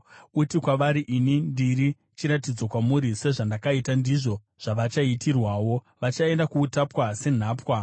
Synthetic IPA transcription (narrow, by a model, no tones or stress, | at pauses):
utikwaʋaɾiʔinindiɾi | t͡ʃiɾatid͡zokwamuɾise̞ʐandakaitandiʐo̞ | ʐ̥aʋat͡ʃaitʰirwaːwo̞ | ʋat͡ʃae̞ndakuːtapwase̞n̤aːpwa